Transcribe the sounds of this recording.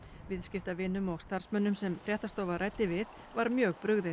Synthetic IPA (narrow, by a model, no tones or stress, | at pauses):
vɪðscɪft̪avɪnːʏmɔɣst̪aɾ̥smœnːʏmsɛmfɾjɛht̪ast̪oːwvarʔajt̪ːɪvɪð | vaɾmjœːɣpɾʏɣðɪ